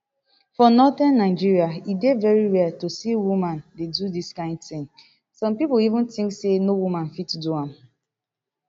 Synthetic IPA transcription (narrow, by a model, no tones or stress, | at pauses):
fɔnɔtanːaɪd͡ʒiɹiaidevɛɹiwɛtosiwumãndedudiskãɪ̃ndθɪ̃ŋ | sɔ̃mpipʊlivʊ̃ntĩŋksenowumãnfitduãm̩